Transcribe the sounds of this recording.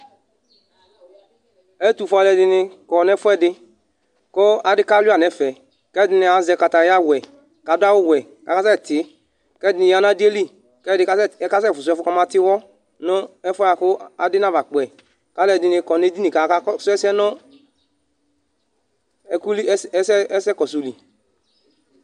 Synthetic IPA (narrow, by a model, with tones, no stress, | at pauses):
ɛ˦tu˨fɔ˧lɛ˧˨dɪ˧nɪ˧kɔ˨nɛ˦fwɛ˦˨dɪ˧ | ko˦a˨dɪ˦ka˦lu˦a˨nɛ˨˦˨fɛ˨ | kɛ˦dɪ˦nɪ˧a˨˦zɛ˧ka˧ta˨ja˦˨wɛ˨ | ka˨da˦wʊ˦˨wɛ˨ | ka˨ka˦sɛ˦˨tɪ˨˦ | kɛ˦dɪ˦nɪ˧˦a˨na˦di˦e˦li˦ | kɛ˦dɪ˧ka˦˨˦ka˦sɛ˦˨fu˨u˨˦ɛ˦fu˦kɔ˧˦ma˧ti˦wɔ˦ | nɔ˦ɛ˦fɔ˦a˨kʊ˦a˨dɪ˦na˦va˨k͡pɛ˨ | ka˨˦lɛ˧˨di˧nɪ˧kɔ˨ne˦di˦ni˨ka˨˦su˦ɛ˦sɛ˦nɔ˦ | ɛ˨ku˦li˦ɛ˦sɛ˦ɛ˦sɛ˦kɔ˨so˨li˨